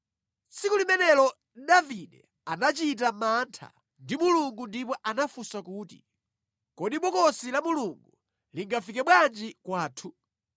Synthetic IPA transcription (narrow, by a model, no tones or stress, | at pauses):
sikulimɛnɛlɔ | ɗaviɗɛ̰ | anat͡ʃit̬amantʰa̰ | ndimuluŋɡundipɔʔanafusakuːtḭ | kɔɗiɓɔkɔsilamuluŋɡu | liŋɡafikɛɓwand͡ʒikwaːtʰu